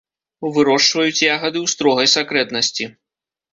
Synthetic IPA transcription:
uvɨɾɔʂvɐjut͡sʲjaɣɐd̪ɨwst̪ɾɔɣɐjsakɾɛt̪nɐsʲt͡sʲi

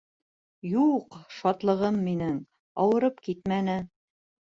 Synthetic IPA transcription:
juqʃɑt̪lˠɤ̆ʁɤmːinɘŋ | ɑwɤ̆ɾɤpkit̪mænɘ

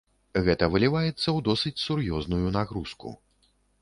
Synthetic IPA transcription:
ɣɛt̪ɐvɨlʲivajɛt̪sːɐwd̪ɔsɨt͡sʲsurjɔznujunaɣɾuskṵ

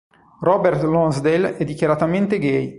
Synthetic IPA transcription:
rɔbɛrt̪lɔnzd̪elɛd̪ːikʲjaɾat̪ament̪eɡɛj

